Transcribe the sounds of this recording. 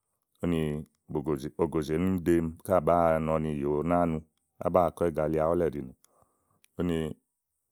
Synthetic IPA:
o˦ni˧ | o˨o˨ɡo˨ze˨˦nu˦de˧m˦ka˦˨ba˦˨nɔ˧ni˧˨jo˨˦na˦nu˧ | a̰˦ba˦˧˨kɔ˦ɛ˦˨ɡa˧˨li˧a˨ɔ˦lɛ˦˨ɾi˨nu˨ | o˦ni˧

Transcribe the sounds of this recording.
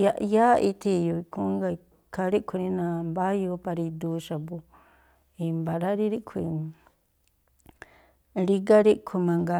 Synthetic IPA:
aja˦ʔi˧t̪ʰi˧jo˨i˨kʰu˦ŋɡa˧i | kʰa˧ɾi˦kʷʰu˧ɾi˦nã˧mba˦jo˧˦pa˧ɾi˧d̪u˨ʃa˨bu˨ | i˨mbaɾa˦ɾi˦ɾi˦kʰui˧ | ɾi˦ɡa˦ɾi˦ʔkʰu˧mã˨ŋɡa

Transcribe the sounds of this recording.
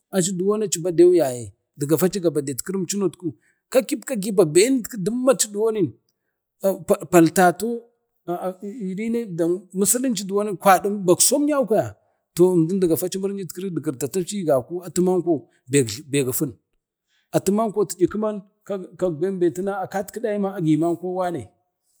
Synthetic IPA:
a˨t͡ʃi˦du˨wo˦na˦t͡ʃi˨ba˦de˦wu˦ja˨je˨ | də˨ɡa˨fa˦t͡ʃi˦ɡa˨ba˨de˨tki˦ɾi˦m˦t͡ʃi˦no˨tku˦ | ka˦ki˦pka˦ɡi˦ba˨be˨˦n˦dki˦di˦mːa˦t͡ʃi˦du˨wo˦ni˦n˨ | pa˨pa˨lta˨to˦˨ | i˨ɾi˦ne˦da˨mu˦si˦li˦nt͡ʃi˦du˨wo˦ni˦kʷa˨di˦mba˨kso˦m˦ja˦ka˦˨ja˨ | to˨m˨du˦n˦də˨ɡa˨fa˦t͡ʃi˦mu˦ɾnd͡ʒi˦tkə˦ɾi˦də˨kə˨ɾta˨ta˦t͡ʃi˦ɡa˨ku˦a˨tu˦ma˦ŋko˦˨ | be˨ɡbe˨ɡa˨fu˦n | a˨tu˦ma˦ŋko˦ti˨d͡ʒi˨ki˦ma˦n | ka˦ka˨ɡ̚be˦nbe˨ti˦na˦a˨ka˦tkə˦da˦ji˦ma˦a˨ɡi˨ma˦ŋko˦wa˦nḛ˨

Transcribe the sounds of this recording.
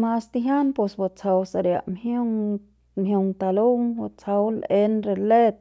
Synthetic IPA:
ma˧st̪i˧ɦja˦npo˧sba˧t͡sʰa˧wsa˧ɾja̰˧ʔmho˦ŋ | mɦju˧ŋt̪a˧lu˦ŋba˧t͡sʰa˧wle˧nɾe˧le˦t̪̚

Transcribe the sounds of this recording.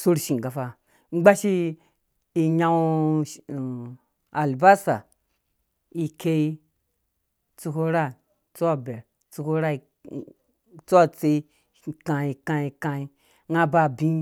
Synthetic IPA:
su˦ɾʃi˨ɡa˨fa˨ | ŋ͡m̩˦ɡ͡ba˦ʃi˦ | i˨ɲa˦w | a˨lba˦sa˨ | i˨ke˦i˦ | t͡su˧ko˦ɾa˦ | t͡so˦a˨be˨ɾ | t͡su˨ko˦ɾa˦i˨ | t͡so˦a˦t͡se˦i˦˨ | kã˨i˨kã˦i˨kã˨i˦ | ŋa˦ba˦˨bĩ˦

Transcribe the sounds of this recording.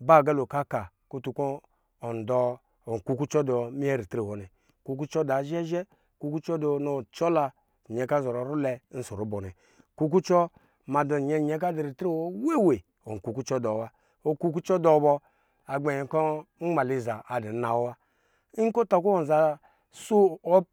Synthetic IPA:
ba˦˨ɡa˦lo˨ka˦ka˨ | ku˦tu˨koː˦˨ | n˨dɔ˨ | o˨ŋ˨ku˦ku˦t͡ʃɔ˦dɔ˨mi˦ɛ˦ɾi˨tɾi˨wo˨nɛ˨ | ku˨˦k̬u˦t͡ʃɔ˦da˨˦ʒɛ˦ʒɛ˦˨ | ku˦ku˦t͡ʃɔ˦do˨no˨t͡ʃɔ˦la˦˨ | ɲɛ˨ka˦zɔ˨ɾɔ˨˦ɾu˦lɛ˧˦n̩˦so˨ɾo˦bɔ˨nɛ̰˨ | ku˦k̬u˦t͡ʃɔ˦ | ma˨do˨ɲɛ˦˨ɲɛ˦k̬a˦di˨ɾi˨tɾe˦˨wo˦we˦˨we˨ | o̰˨ŋ˨ku˨ku˦t͡ʃɔ˦do˨˦wa˦ | o˨ku˦k̬u˦t͡ʃɔ˦dɔ˨˦bɔ˧ | a˨ɡ͡be˨ji˨˦kɔ˦ŋ̩˦ŋ͡ma˨li˨za˨a˨di˨˦na˨wo˦wa˦ | i˦ko˦ta˨ku˦o˨za˨ | su˦o˦

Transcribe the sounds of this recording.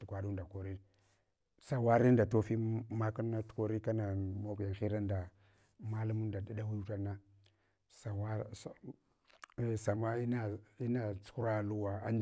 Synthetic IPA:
tu˨kʷa˨du˦nda˨ko˨ɾi˦ | sa˦wa˦ɾi˦n˦da˨to˦fi˦ma˦ku˦na˦tu̥˨ko˨ɾi˦ka˦na˨mo˦kja˨xi˦ɾa˦nda˨ | ma˦lu˦mu˦nda˨di˦da˦wi˦u˦ta˦na˦ | sa˨wa˦s | sa˨ma˦i˦na˦i˦na˦t͡su̥˦ku˦ɾa˦˨lu˦wa˨a˦n

